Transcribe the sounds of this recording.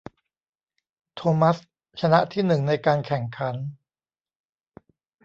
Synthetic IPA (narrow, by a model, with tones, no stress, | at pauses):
t̪ʰoː˧ma˦˥s | t͡ɕʰa˧na˦˥ʔt̪ʰiː˥˩nɯ˨˩ŋna˧jkaː˧nkʰɛ˨˩ŋkʰa˩˦n